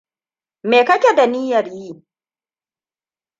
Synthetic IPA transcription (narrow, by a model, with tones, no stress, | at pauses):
me˨kɐ˦kʲe˨da˨niː˦jɐ˨rjiː˦